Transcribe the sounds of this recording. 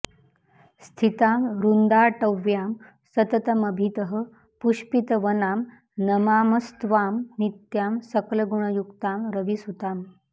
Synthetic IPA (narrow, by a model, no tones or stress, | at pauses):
st̪ʰit̪amɾund̪aʈəʋjam | sət̪ət̪əməbʱit̪əɦə | puɕpit̪əʋənaːm | nəmaːməst̪ʋamnit̪jaːmsəkləɡuɳ̃əjukt̪amɾəʋisut̪aːm